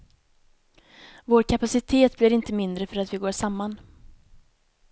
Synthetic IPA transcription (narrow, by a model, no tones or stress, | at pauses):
voːɾkʰapasɪt̪ʰeːt̪̚blɪɾɪnt̪əmɪnd̪ɾəfœɾat̪vɪɡoːʂamːan